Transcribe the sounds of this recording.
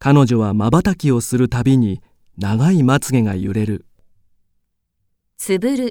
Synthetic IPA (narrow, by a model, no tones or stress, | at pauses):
kano̞ʑo̞βamabat̪akʲio̞sɨɾɯ̟t̪abʲiɲ̟i | naɡaimat͡sɨɡe̞ɡajɯ̰ɾe̞ɾɯ̟ | t͡sɨbɯɾɯ̟